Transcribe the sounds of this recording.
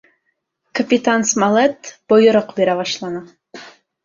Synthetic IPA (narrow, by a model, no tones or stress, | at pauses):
kʰɑpit̪ʰɑnsmɑlˠɛt̪b̥ojʊɾəqbeɾɛbɑʃlˠɑnɨ